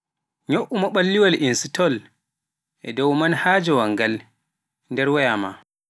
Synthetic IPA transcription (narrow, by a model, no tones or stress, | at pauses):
ɲoʔumɔɓalːiwalʔinsitɔl | ʔɛ̰dɔwmanhad͡ʒɔwaŋɡal | ndɛɾwajama̰